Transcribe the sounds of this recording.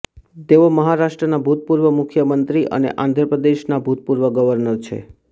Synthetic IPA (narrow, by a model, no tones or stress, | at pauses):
t̪eoməɦaɾaʃʈɾənabʱut̪̚puɾʋəmʊkʰjəmənt̪ɾiʔə̰nḛʔãnd̪ʱɾəpɾəd̪eʃnabʱut̪̚puɾʋəɡəʋəɾnəɾt͡ʃʰḛ